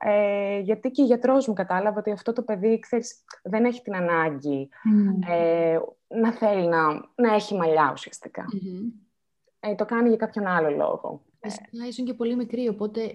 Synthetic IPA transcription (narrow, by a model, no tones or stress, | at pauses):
eʝɐt̪iceoʝɐt̪ɾo̞zmukɐt̪ɐlɐvɐo̞t̪iɐft̪o̞t̪o̞pe̞ðikse̞ɾisðe̞ne̞çi̥t̪inɐnɐɲɟi | e | nɐθe̞linɐnɐe̞çimɐʎɐṵsiɐst̪i̥kɐ̰ | t̪o̞kɐniʝɐkɐpço̞nɐlo̞lo̞̰ɣo̞̰ | isɐisuɲcepo̞limikɾiopo̞t̪e̞